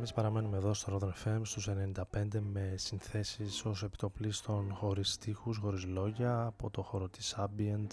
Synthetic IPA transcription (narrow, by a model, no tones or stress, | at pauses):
emispɐɾɐme̞nume̞ðo̞st̪oɾoðenfemst̪usene̞nind̪ɐpe̞nd̪e̞me̞sinθe̞siso̞sepi̥t̪o̞plist̪o̞nxo̞ɾist̪ixusxo̞ɾizlo̞ʝɐːpo̞t̪o̞xo̞ɾot̪i̥sɐbient̪